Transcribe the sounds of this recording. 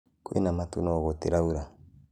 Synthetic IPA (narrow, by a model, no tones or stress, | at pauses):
kuḭnamatunɔɣɔteɾauɾa